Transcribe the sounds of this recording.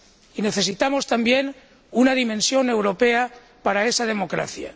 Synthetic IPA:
ine̞θe̞sit̪amo̞st̪ambje̞n | unaðimẽ̞nsjo̞ne̞wɾo̞pe̞a | paɾae̞sað̞e̞mo̞kɾa̰θja̰

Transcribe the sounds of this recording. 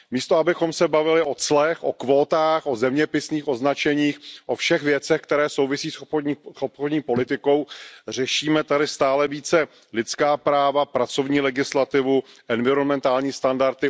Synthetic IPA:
miːst̪oabɪxo̞msɛbavɪlɪʔo̞t͡slɛxʔokvo̞ːt̪aːxʔo̞zɛmɲɛpɪsniːxʔo̞znat͡ʃɛɲiːxʔo̞fʃɛxvjɛt͡sɛxk̚t̪ɛɾɛːsowvɪsiːssopxodɲiːpo̞lɪt̪ɪko̞wr̝ɛʃiːmɛt̪adɪst̪aːlɛviːt͡sɛ | lɪt̪t͡skaːpɾaːvapɾat͡so̞vɲiːlɛɡɪslat̪ɪvuʔɛnvɪɾo̞nmɛnt̪aːlɲiːst̪andaɾt̪ɪ

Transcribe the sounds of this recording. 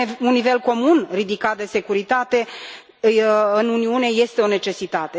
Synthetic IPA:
unːive̞lko̞munrid̪ikat̪̚d̪e̞se̞kuɾit̪at̪e̞ | ɨnuniune̞je̞st̪e̞o̞ne̞t͡ʃe̞sit̪at̪e̞

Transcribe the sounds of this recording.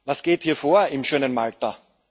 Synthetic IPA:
vasɡ̥eːthiːɐfoːɐɪmʃøːnənmaltɐ

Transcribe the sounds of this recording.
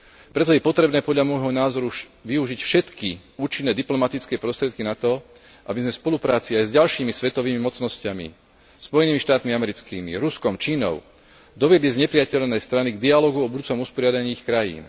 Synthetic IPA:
pɾɛt̪̬ɔjɛpɔt̪ɾɛbnɛːpɔd̪ʎamɔjɦɔnaːzɔɾuʋiuʒicfʃɛt̪kiuːt͡ʃinːɛːd̪iplɔmat̪it͡skɛːpɾɔst̪ɾɪɛt̪̚kinat̪ɔ | ʔabizmɛspɔlupɾaːt͡siajzɟalʃiːmisʋɛt̪ɔʋiːmimɔt͡snɔscamḭ | spɔjɛniːmiʃt̪aːt̪miamɛɾit͡skḭːmḭɾuskɔmt͡ʃiːnɔ̰ʊ | d̪ɔʋɪɛd̪lizɲɛpɾɪacɛʎnɛjst̪ɾaniɡd̪ialɔːɡuɔbud̪uːt͡sɔmuspɔɾɪad̪aɲiːixkɾajḭːn

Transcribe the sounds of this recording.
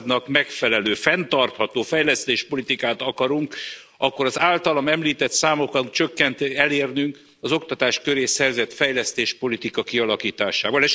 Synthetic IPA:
d̪nɒkmɛkfɛlɛløːfɛnt̪ɒrt̪hɒt̪oːfɛjlɛst̪eːʃpo̞lit̪ikaːt̪ɒkɒɾuŋk | ʔɒkːo̞ɾɒzaːlt̪ɒlɒmɛmliːt̪ɛt̪saːmokɒŋt͡ʃø̞kːɛnt̪ɛleːrnyŋk | ɒzo̞kt̪ɒt̪aːʃkø̞ɾeːsɛrzɛt̪fɛjlɛst̪eːʃpo̞lit̪ikɒkiɒlɒkiːt̪aːʃaːvɒleʃ

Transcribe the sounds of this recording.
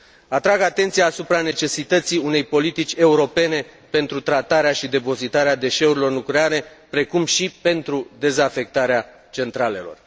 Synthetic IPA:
at̪ɾaɡat̪e̞nt̪sijaːsupɾanet͡ʃe̞sit̪ət̪siune̞jpo̞lit̪it͡ʃʲe̞uɾo̞pe̞ne̞ | pe̞nt̪ɾut̪ɾat̪aɾeaʃid̪e̞po̞zit̪aɾead̪e̞ʃe̞uɾilo̞rnukleaɾe̞ | pɾe̞kumʃipe̞nt̪ɾud̪e̞zafe̞k̚t̪aɾea | t͡ʃe̞nt̪ɾale̞lo̞̰r

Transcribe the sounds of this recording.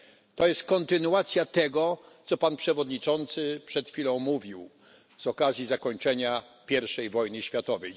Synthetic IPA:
t̪ɔjɛst̪̚kɔnt̪ɘnuat̪sʲjat̪ɛɡɔ | t̪sɔpanpʂɛvɔd̪ɲit͡ʂɔnt̪sɘpʂɛt̪xfʲilɔ̃w̃muvʲiw | z̥ɔkazʲjizakɔɲt͡ʂɛɲapʲjɛɾfʂɛjvɔjnɘɕfʲjat̪ɔvɛj

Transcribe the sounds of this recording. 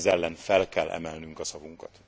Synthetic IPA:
zɛlːɛnfɛlkɛlʔɛ̰mɛlnyŋkɒsɒvuŋkɒt̪

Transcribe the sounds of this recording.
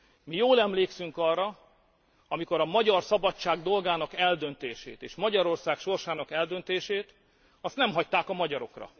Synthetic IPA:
mijoːlɛmleːksyŋkɒrːɒ | ɒmiko̞ɾɒmɒɟɒrsɒbɒt͡ʃt͡ʃːaːɡd̪o̞lɡaːnɒkɛld̪ø̞nt̪eːʃḛːt̪eːʃmɒɟɒɾo̞rsaːkʃo̞rʃaːnɒkɛld̪ø̞nt̪eːʃeːt̪ | ɒst̪nɛmɦɒct̪aːkɒmɒɟɒɾo̞̰krɒ̰

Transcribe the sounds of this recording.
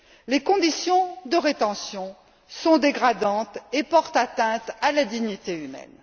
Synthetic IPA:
lekɔ̃d̪isjɔ̃d̪əʁet̪ɑ̃sjɔ̃ | sɔ̃d̪eɡʁad̪ɑ̃t̪epɔʁt̪at̪ɛ̃t̪alad̪iɲit̪eymɛ̰n

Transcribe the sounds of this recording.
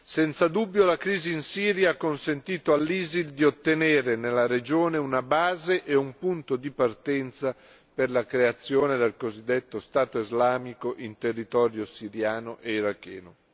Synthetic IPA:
sɛnt̪sad̪ubːjolakɾiːziːnsiːɾjaakːonsent̪iːt̪oalːiːzild̪iot̪ːeneːɾenelːaɾed͡ʒoːneunabaːzeʔeumpunt̪od̪ipart̪ɛnt̪sa | perlakɾeat̪sːjoːned̪elkozid̪ːet̪ːost̪aːt̪oizlaːmikoʔint̪erːit̪ɔːɾjosiɾjaːnoʔeiɾakːɛ̰ːno

